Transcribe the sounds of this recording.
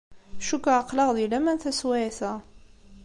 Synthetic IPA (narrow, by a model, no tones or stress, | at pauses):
ʃukaəqːləʁðilæmænθæswæθæ